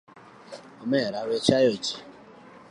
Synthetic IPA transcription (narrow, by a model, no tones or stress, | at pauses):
ɔmɛɾawet͡ʃajot͡ʃi̥